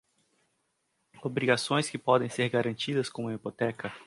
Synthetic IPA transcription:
obɾiɡasõj̃skɪpɔd̪ẽj̃seɾɡaɾɐ̃nt͡ʃid̪ɐskõmuɐipot̪ɛkɐ

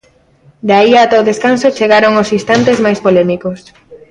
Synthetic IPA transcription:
d̪aiat̪aoðeskansot͡ʃeɣaɾoŋosist̪ant̪ezmajspolɛmikos

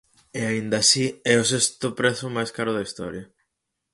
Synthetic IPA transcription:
eaind̪ɐsiɛosest̪ʊpɾeθʊmajskaɾʊðaist̪ɔ̰ɾjɐ

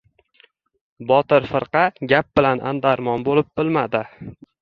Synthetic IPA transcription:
bɒt̪ɪɾfɨɾqɑɡʲap̚bɪlanʔa̰nd̪aɾmɒnbolɪp̚b̥ɪlmad̪ɪ

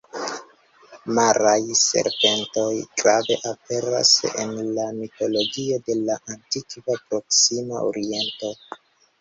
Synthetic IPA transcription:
maɾajse̞̰ɾpe̞nto̞jɡɾave̞̰ʔape̞ɾa̰sḛnlamito̞lo̞ɡio̞de̞laʔantikvapɾo̞ksimaʔo̰ɾie̞nto̞

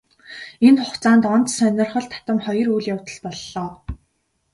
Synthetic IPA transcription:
enχʊχt͡saːnt̪ɔnt̪sœnʲɞ̆rχɞ̆ɮt̪ʰḁt̪ə̆mχɔjɞ̆rujɮjawt̪ə̆ɮpɔɮːɔː

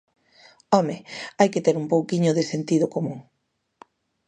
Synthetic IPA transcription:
ɔmeajkɪt̪eɾumpowkiɲʊðesent̪iðʊkomũŋ

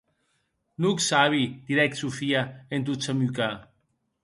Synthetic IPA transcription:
nuksaβid̪̥iɾɛk̪̚sufiaent̪̬usamyka

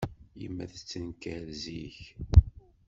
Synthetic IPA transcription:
jə̰mːæ̰θt͡sːənkæɾziç

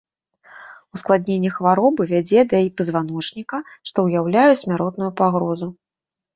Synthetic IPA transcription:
usklˠad̪ʲnʲenʲːɐxvaɾɔbɨvʲad͡zʲɛd̪ɐipɐzvan̪ɔt͡ʂnʲikɐʂt̪ɔwjawlʲajɛsʲmʲaɾɔt̪nujupaɣɾɔzu

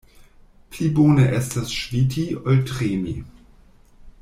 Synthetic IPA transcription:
pʰliboːnəʔɛstasʃvitʰiɔltʁeːnḭ

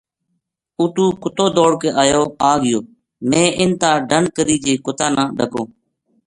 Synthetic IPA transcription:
uːʈũːkʊt̪oːd̪oːɽkeːʔaːjoːaːɡɪjoː | mẽːʔɪnt̪ãːɖəɳkəɾiːd͡ʒeːkʊt̪ãːnãːɖəkõː

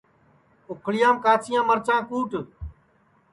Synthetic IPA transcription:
ʊkʰɭɪjãːmkaːt͡ʃʰɪjãːməɾt͡ʃãːkuːʈ

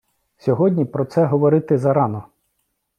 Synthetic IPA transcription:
sʲɔɦɔdʲnʲipɾɔt̪sɛɦɔʋɔɾɪt̪ɪzɐɾɑnɔ

